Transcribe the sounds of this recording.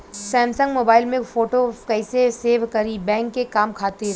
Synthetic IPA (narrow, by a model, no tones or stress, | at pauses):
sɛ̃ːnsə̃ŋɡmoːbaːɪlmẽfoːʈokɛɪseseːʋkɐɾibɛ̃ːŋkːekaːmkʰaːt̪eɾ